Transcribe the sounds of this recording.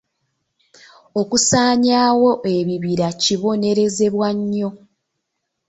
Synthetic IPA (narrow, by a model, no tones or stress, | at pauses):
o̞kusaːɲaːwo̞ʔe̞βiβiɾaciβo̞ne̞ɾe̞ze̞βwaɲːo̞